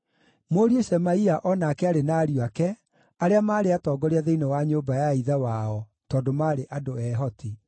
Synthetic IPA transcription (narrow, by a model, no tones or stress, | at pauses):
moːɾieɕɛmaiaʔɔnakɛaɾenaːɾiakɛ | aɾeamaːɾeatɔːɡɔɾiaðeinewaɲobajaiðawaɔ | tɔːdomaːɾeʔadoɛɦɔtʰi